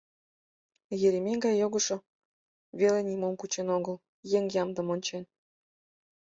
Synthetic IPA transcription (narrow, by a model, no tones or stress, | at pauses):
jeɾʲimʲeŋɡɑjːoɣɤ̆ʃŏ | βʲelenʲimomkut͡ɕenoɡəl | jeŋjɑmd̪ɤ̆monʲt͡ɕen